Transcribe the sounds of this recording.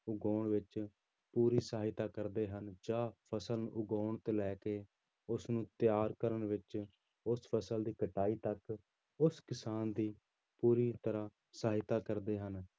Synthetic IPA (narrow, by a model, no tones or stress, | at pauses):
ʊɡoːɳʋɪt͡ʃ | puːɾiːsaːɦɪt̪aːkəɾd̪eːɦənd͡ʒãːpʰəsəlnʔʊɡoːɳt̪eːlɛːkeː | ʊsnũːt̪ɪjaːɾkəɾənʋɪt͡ʃ | ʊspʰəsəld̪iːkəʈaːiːt̪ək | ʊskɪsaːnd̪iː | puːɾiːt̪əɾaː | saːɦɪt̪aːkəɾd̪eːɦən